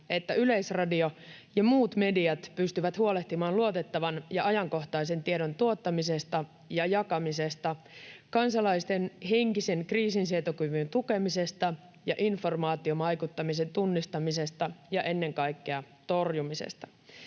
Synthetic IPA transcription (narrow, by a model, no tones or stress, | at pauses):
et̪ːæyleisrɑdio̞jɑmuːt̪me̞diɑt̪pyst̪yʋæt̪huo̞leht̪imɑːnluo̞t̪e̞t̪ːɑʋɑnjɑɑjɑŋko̞ht̪ɑise̞nt̪iedo̞nt̪uo̞t̪ːɑmise̞st̪ɑ | jɑjɑkɑmise̞st̪ɑ | kɑnsɑlɑist̪enɦe̞ŋkise̞nkriːsinsiet̪okyʋynt̪uke̞mise̞st̪ɑ | jɑʔinfo̞rmɑːt̪io̞mɑjkut̪ːɑmis̬e̞nt̪unːist̪ɑmise̞st̪ɑjɑʔe̞nːe̞ŋkɑjkːeɑ | t̪o̞rjumisḛst̪ɑ̥